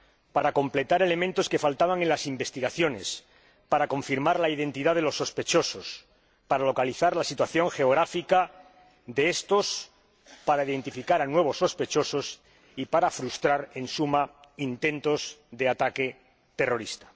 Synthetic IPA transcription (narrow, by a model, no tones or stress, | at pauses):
paɾako̞mple̞t̪aɾe̞le̞mẽnt̪o̞ske̞falt̪aβaŋe̞nlasimbe̞st̪iɣaθjo̞ne̞s | paɾako̞ɱfiɾmaɾlaið̞e̞nt̪iðaðe̞lo̞sːo̞spe̞t͡ʃo̞so̞s | paɾalo̞kaliθaɾlasit̪waθjo̞ŋxe̞oɣ̞ɾafika | ðeest̪o̞s | paɾaiðe̞nt̪ifikaɾanwe̞β̞osːo̞spe̞t͡ʃo̞so̞s | ipaɾafɾust̪ɾaɾe̞nsumaint̪ẽ̞nt̪o̞zðe̞at̪ake̞ | t̪e̞ro̞ɾist̪ḁ